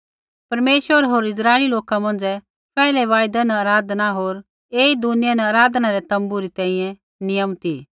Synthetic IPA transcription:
pɐɾmeːʃʋəɾɦoːɾɪs̬ɾaːeliloːkamɐ̃nd͡ʒɛ | pʰɛːɪlɛʋaːjd̪anɛɐɾaːd̪ʱnaɦoːɾ | eːid̪ʊnɪjanɛɐːɾaːd̪ʱnaɾɛt̪ɐ̃mbuɾit̪ɛ̃ːĩjɛ̃ | nɪjəmt̪i

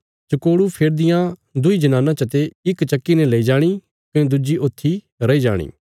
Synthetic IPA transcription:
t͡ʃɐkoːɽupʰeːɾd̪ɪjãd̪ʊid͡ʒɐnaːnãt͡ʃɐt̪eɪkt͡ʃɐkːinɛlɐid͡ʒaːɽ̃i | kɐ̃d̪ʊd͡ʒiʔoːt̪ʰːi | ɾɐid͡ʒa̰ːɽ̃ḭː

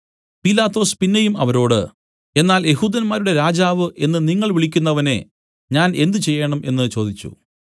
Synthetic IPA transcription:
pilaːt̪ːo̞ːspinːejumɐ̰ʋɐɾo̞ːɽɨ̰ | e̞nːaːlje̞ɦuːd̪ɐnmaːɾuɽe̞ɾaːd͡ʑaːʋɨʔe̞nːɨniŋːɐɭʋiɭikʲːunːɐʋɐne̞ | ɲaːne̞nd̪ɨt͡ɕe̞jːeːɳɐmʔe̞nːɨt͡ɕo̞ːd̪it͡ɕːṵ

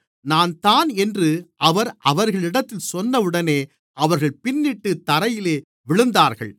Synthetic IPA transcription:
naːnt̪aːnɛndrɯʔɐʋɐɾʔɐʋɐɾɣɐɭɪɽɐt̪ːɪlsɔnːɐʋɯɽɐneː | ʔɐʋɐɾɣɐɭpɪnːɪʈːɯt̪ɐɾɐjɪleː | ʋɪɭɯnd̪aːɾɣɐ̰ɭ

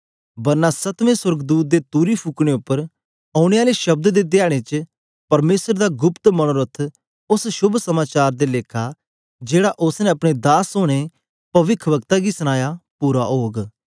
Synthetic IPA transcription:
bɐɾnãsɐt̪mẽswɐɾɡd̪uːt̪̚d̪et̪uːɾipʰuːkɽ̃eʊpːəɾ | aːʊɽ̃eaːleʃɐb̚d̪d̪ed̪ɪjaːɽ̃et͡ʃə | pɐɾmeːsəɾd̪aɡʊpt̪mɐɽ̃oːɾət̪ʰ | ʊsʃʊbʱsɐmaːt͡ʃaːɾd̪eleːkʰa | d͡ʒeːɽaʔʊsnɛ̃ɐpɽ̃ed̪aːsoːɽ̃e | pɐʋɪkʰʋɐk̚t̪aɡisɐɽ̃aːjapuːɾa̰ɦoːɡ

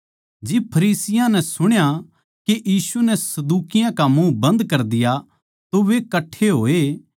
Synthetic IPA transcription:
d͡ʒɪb̚pʰɐɾiːsɪjãnɛ̃sʊɽ̃ja | kejiːsunɛsɐd̪uːkɪjãkamũbɐ̃nd̪kɐɾd̪ɪja | t̪oʋekɐʈʰːeɦoːe

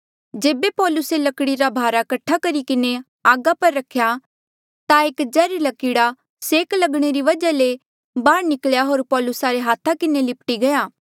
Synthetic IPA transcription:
d͡ʒeːbepɔːlʊselɐkɽiɾabʱaːɾakɐʈʰːakɐɾikɪne | aːɡapɐɾːɐkʰːja | t̪aeːkd͡ʒɛːɾilɐkɪɽa | seːklɐɡɽ̃eɾiʋɐd͡ʒale | baːɾnɪkljaɦoːɾpɔːlʊsaɾeɦaːt̪ʰakɪnelɪpʈiɡɐjaː

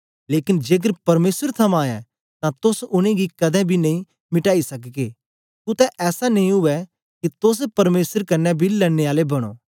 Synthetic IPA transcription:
leːkɪnd͡ʒeːɡ̬əɾpɐɾmeːsəɾt̪ʰɐmãːjɛ̰̃ | t̪ãt̪ʊsʊñẽɡikɐd̪ɛ̃bʱinɐ̃ĩ | mɪʈaːisɐkɡeː | kʊt̪ɛ̃ʔɛːsanɐĩɦʊɛ | kit̪ʊs̬pɐɾmeːsəɾkɐnːɛbʱilɛɽːeaːlebɐɽ̃o̰ː

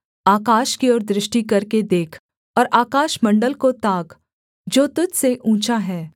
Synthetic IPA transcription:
aːkaːʃkiɔːɾd̪ɾɪʃʈikɐɾked̪eːkʰ | ɔːɾʔaːkaːʃmɐ̃ɳɖəlkot̪aːɡ | d͡ʒoːt̪ʊd͡ʒseʔũːt͡ʃaɦɛː

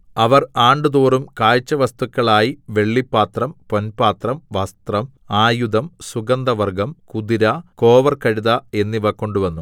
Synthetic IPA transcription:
ɐʋɐraːɳɖɨðuːrumkaːjt͡ɕːɐʋɐst̪ukːɐɭaːjiʋe̞ɭːipːaːt̪rɐmponpaːt̪rɐmʋɐst̪rɐm | aːjud̪ɐmsuɡɐnd̪ɐʋɐrɡɐmkud̪iɾɐko̞ːʋɐrkɐɻiðɐe̞nːiʋɐkːo̞ɳɖuʋɐnːu

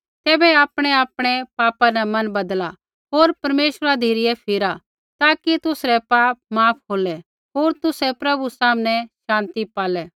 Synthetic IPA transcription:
t̪ɛːbɛaːpɽ̃ɛaːpɽ̃ɛpaːpanɛmɐnbɐd̪la | ɦoːɾpɐɾmeːʃəɾad̪ʱeːɾɪjɛpʰɪɾa | t̪aːkit̪ʊsɾɛpaːp̚maːpʰɦoːlɛ | ɦoːɾt̪ʊsɛpɾɐbusaːmnɛ̃ʃãːnt̪ipaːlɛ

